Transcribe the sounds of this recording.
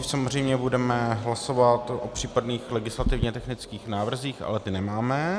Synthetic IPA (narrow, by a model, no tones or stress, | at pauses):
samozr̝ɛjmɲɛbudɛmɛɦlaso̞vat̪ʔo̞pr̝̥iːpadniːxlɛɡɪslat̪ɪvɲɛt̪ɛxnɪt͡skiːxnaːvr̩ziːxʔa̰lɛt̪ɪnɛmaːmɛ